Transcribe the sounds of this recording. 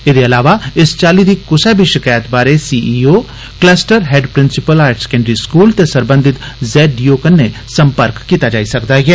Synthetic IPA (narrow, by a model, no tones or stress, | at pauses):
ɪd̪eːəlaːʋaɪst͡ʃaːliːd̪iːkʊsɛbʱiːʃɪkaːjət̪baːɾesiːʔiːoː | klɛːsʈəɾɦɛːɖpɾɪnsɪpəlaːɾʈskɛ̃ːɳɖɾiːskuːlt̪esəɾbə̃nd̪ʱɪt̪ | zɛːijoːkənːe | səmpəɾkːiːt̪aːd͡ʒaːisəkd̪aːɡɛː